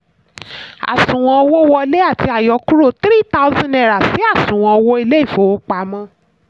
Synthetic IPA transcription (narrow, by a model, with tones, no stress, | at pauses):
a̰˨sũ˨w̃ɔ̃˧o˧wo˦wɔ˧le˦a˦˨ti˧a˨jɔ˨˧ku˦ɾo˦˨t̪ɾi˦ta˦u˦zã˦n˨ɛ˨ɾa˨si˨˦a˦˨sũ˨w̃ã˧o˧wo˦i˧le˦i˦˨fo˨˦o˦k͡pa˧˦mã˦